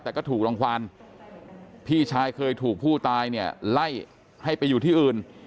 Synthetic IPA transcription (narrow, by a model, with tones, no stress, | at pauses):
t̪ɛː˨˩kɔː˥˩t̪ʰuː˨˩k̚lo˧ŋkʰaː˧n | pʰiː˥˩t͡ɕʰaː˧jkʰɤː˧jt̪ʰuː˨˩k̚pʰuː˥˩t̪aː˧jni˥˩ɐla˥˩j | ha˥˩jpa˧jːuː˨˩t̪ʰiː˥˩ʔɯː˨˩n